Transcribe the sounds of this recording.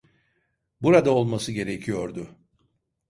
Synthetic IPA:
buɾad̪ao̞lˠmasɯɟe̞ɾecʰijo̞ɾd̪ʊ

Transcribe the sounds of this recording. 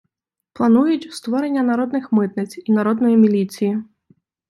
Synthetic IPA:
plˠanujut͡sʲst̪vɔɾɛnʲːɐnaɾɔd̪nɨxmɪt̪nɐsʲt͡sʲinaɾɔd̪nɔjimʲilʲit̪sʲiji

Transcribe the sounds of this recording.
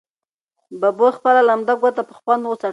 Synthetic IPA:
babojxpəlalamd̪aɡwat̪apə̥xwand̪wəsa

